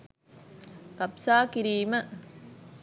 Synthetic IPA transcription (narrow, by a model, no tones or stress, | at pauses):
kɐpsaːkɪɾiːmɐ